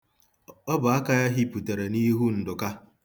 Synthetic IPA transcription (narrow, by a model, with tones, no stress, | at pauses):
ɔ˦bʊ˨a˦ka˦ja˦ɦi˦pu˨te˨ɾe˨ni˦ɦu˦n̩˨dʊ˨ka˦